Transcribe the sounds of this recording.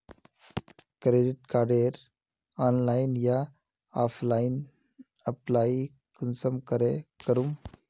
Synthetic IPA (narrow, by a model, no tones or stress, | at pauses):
kɾeːɖiʈkaːɾɖeɾ | aːnlaːɪnja | aːpʰlaːin | əplaːi | kənsəmkəɾekəɾum